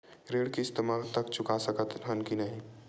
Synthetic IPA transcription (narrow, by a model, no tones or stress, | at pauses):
ɾeːɽkist̪imalt̪əkt͡ʃʰʊkasəkət̪ɦənkinəɦĩ